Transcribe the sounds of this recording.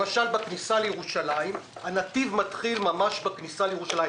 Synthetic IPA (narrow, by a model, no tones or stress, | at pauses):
maʃalbaknisalejeʁuʃalaim | hanativmatχilmamaʃbaknisalejeuʃalaj